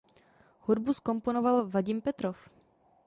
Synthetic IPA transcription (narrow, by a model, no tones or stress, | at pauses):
hudbusko̞mpo̞no̞valvaɟɪmpɛt̪ɾof